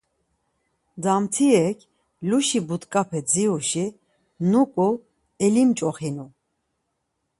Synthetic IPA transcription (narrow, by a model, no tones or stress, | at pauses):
d̪amt̪ʰiɛkʰ | luʃibut̪kʼapʰɛd͡ziuʃi | nukʼu | ɛlimt͡ʃʼɔχinu